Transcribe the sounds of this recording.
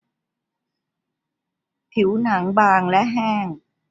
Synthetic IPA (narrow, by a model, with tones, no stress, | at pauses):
pʰi˩˦wna˩˦ŋbaː˧ŋlɛ˦˥ʔɦɛː˥˩ŋ